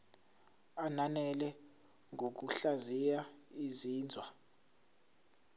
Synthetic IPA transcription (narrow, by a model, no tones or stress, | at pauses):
ananɛlɛ | ŋʱok̬uɬazijaiziːnd͡zʱwa